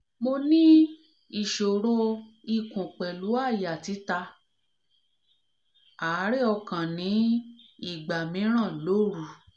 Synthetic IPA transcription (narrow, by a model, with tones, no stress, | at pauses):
mo˧nĩ˦ | i˦˨ʃo˨ɾo˧i˦˨kũ˨k͡pɛ˨lu˨˦a˦˨ja˨ti˨˦ta˧ | a˨˦ɾe˦ɔ˧kã˨nĩ˨˦i˦˨ɡ͡ba˨mĩ˨˦ɾ̃ã˦˨lo˨˦ɾu˧˨